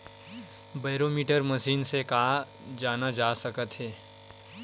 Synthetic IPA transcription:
baːɾoːmiːʈəɾməʃiːnsekaː | d͡ʒaːnad͡ʒaːsɐkət̪ɦɛː

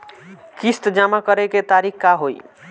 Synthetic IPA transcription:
kist̪d͡ʒamakʌɾeket̪aɾikʰkaɦoj

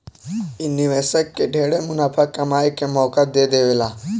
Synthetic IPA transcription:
inːiʋɛːsəkːeɖʱeːɽemʊnaːpʰakːɐmaːjkemɔːkat̪̚d̪ed̪eːʋela

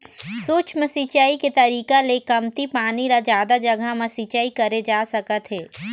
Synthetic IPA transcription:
suːt͡ʃmɐsit͡ʃaːiket̪ɐɾiːkalekɐmt̪ipaːnilad͡ʒjaːd̪ad͡ʒɐɡʱamɐsit͡ʃaːikɐɾed͡ʒaːsɐkət̪ɦɛː

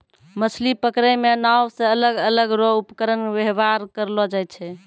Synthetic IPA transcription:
məsʰlipəkɾəmenawsẽələɡələɡɾoupkəɾənbeɦbaɾkəɾlɔd͡ʒajt̪̚t͡ʃʰɛ

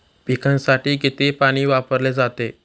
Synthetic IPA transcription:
pikʰãnsaʈiːɡet̪epaɽ̃iːʋapəɾled͡zat̪e

